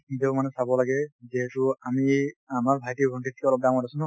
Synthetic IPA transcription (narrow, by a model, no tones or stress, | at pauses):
itɛʊmanɛsabɔlaɡɛziɦɛtuamiamaɹbʱajtiɡʱɔɳʈit̪ʰikɛɔlɔp̚daw̃ŋ̃kɔɾasun